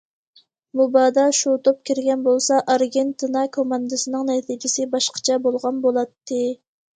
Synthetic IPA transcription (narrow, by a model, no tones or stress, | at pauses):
mubɑːd̪ɑʃut̪ʰop̚kʲiɾɡʲɛnbolˠsɑʔɑɾɡʲent̪ɨnɑkʰomɑnd̪ɨsɨnɨŋnɛt̪ʰid͡ʒɪsɪbɑʃqʰə̥t͡ʃʰɛbolˠʁɑnbolˠɑt̪ʰːɨ